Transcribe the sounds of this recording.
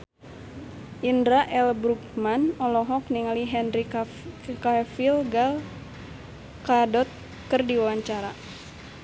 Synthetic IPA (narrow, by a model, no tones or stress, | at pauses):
ʔindɾaʔɛlbɾuk̚manɔlɔɦɔk̚niŋaliɦɛnɾi | kafilɡal | kadɔt̪̚ | kɨrdiwawaɲt͡ʃaɾa